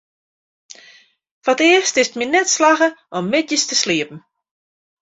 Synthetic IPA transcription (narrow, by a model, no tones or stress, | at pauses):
fatɪəstɪstminɛtslaɣəʔɔmːɪtjəstəsliəpn̩